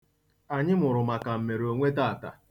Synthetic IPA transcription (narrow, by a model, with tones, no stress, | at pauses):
a˨ɲɪ˦mʊ˨ɾʊ˨ma˨ka˨m̩˨me˨ɾo˨ŋʷe˦ta˦˨ta̰˨